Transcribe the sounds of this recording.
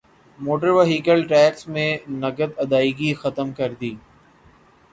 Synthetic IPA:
moːʈəɾʋəɦiːkəlʈɾɛːksmẽnɐɡəd̪ɐd̪aːiːɡixət̪əmkɐɾd̪iː

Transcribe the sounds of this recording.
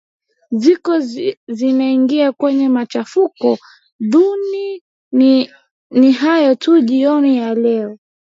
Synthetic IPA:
zikɔzinaiŋɡiakwɛɲɛmat͡ʃafukɔ | ðuni | niɦajɔtuʄiɔnijalɛɔ

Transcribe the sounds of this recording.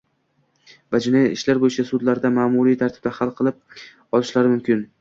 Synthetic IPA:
vad͡ʒʊnaɪʃlaɾbojɪt͡ʃʰasʊd̪laɾd̪amaːmuɾijt̪ʰaɾt̪ʰɪb̚d̪ahalˠqʰɨlˠɪp̚ | ɒlˠɪʃlaɾɪmʊmkʲʰɪn

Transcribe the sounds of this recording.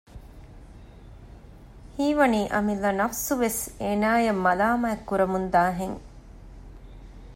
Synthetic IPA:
hiːʋɐniːʔɐmilːɐnɐfsuʋeseːnaːjɐmːɐlaːmɐɐkːuɾɐmund̪aːɦeŋ

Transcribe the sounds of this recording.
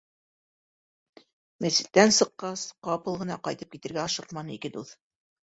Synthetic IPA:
mæsɘ̥̆t̪̚t̪ːænsɤ̆qːɑsqɑpɤlˠʁɤ̆nɑqɑjt̪ɤp̚kit̪ɘ̆ɾɡæɑʃɤqmɑnɤikɘd̪uθ

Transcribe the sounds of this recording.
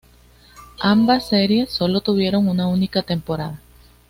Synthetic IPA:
ambasːe̞ɾje̞sːo̞lo̞t̪uβ̞je̞ɾo̞ŋunaunikat̪e̞mpo̞ɾaða

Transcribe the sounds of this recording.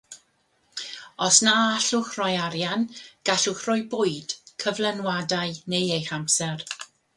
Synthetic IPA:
ɔsnaaɬʊχrɔjaɾjanɡ̥aɬʊχrʊjbʊɨd̥kʰəvlɛnwadaɨnejejχamsɛr

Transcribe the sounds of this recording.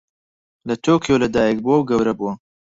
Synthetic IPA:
lɐt̪ʰoːkijolɐd̪aːjɛk̚buwɐwɡɐwɾɐbuwɐ

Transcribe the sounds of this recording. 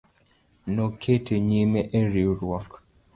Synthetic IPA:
nɔkʰetʰeɲimeʔeɾiɾwɔk

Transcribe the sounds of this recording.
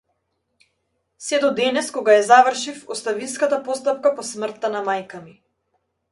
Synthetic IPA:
sɛd̪ɔd̪ɛnɛskɔɡaɛzavər̩ʃifɔst̪aviskat̪apɔst̪ap̚kapɔsmr̩t̪ːanamajkami

